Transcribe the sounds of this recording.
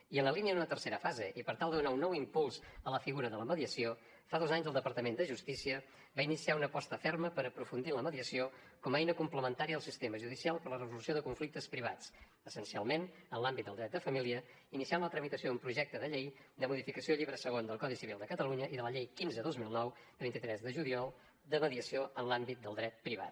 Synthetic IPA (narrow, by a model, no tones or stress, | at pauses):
iənləliniəd̪unət̪ərseɾəfazeʔipəɾt̪alˠd̪əðunaunːɔwimpulˠzələfiɣuɾəðələməðiəsio | faðozaɲzəlˠd̪əpəɾt̪əmend̪əʒust̪isiə | βainisiaunəpɔst̪əfɛrməpəɾəpɾufund̪inləməðiəsio | kɔmɛjnəkumpləmənt̪aɾiəəlˠsist̪eməʒuðisialˠpəɾlərəzulusioðəkuɱflik̚t̪əspɾiβ̞at͡s | əsənsia̰lˠmenənlambit̪̚d̪əlˠd̪ɾɛt̪d̪əfəmiliə | inisianlət̪ɾəmit̪əsjoumpɾuʒɛk̚t̪əðəʎejd̪əmuðifikəsioʎiβɾəsəɣ̞ond̪əlˠkɔðisiβilˠd̪əkət̪əluɲəʔiðələʎejkinzəðozmilˠnɔwd̪əβint̪it̪ɾɛzðəʒuliɔlˠ | d̪əməðiəsioənlambit̪̚d̪əlˠd̪ɾɛt̪̚pɾiβ̞a̰t̪̚